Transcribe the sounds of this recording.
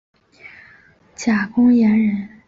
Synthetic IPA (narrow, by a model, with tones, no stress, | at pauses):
t͡ɕja˨˩kʊ˥ŋjɛ˧˥nɻə˧˥n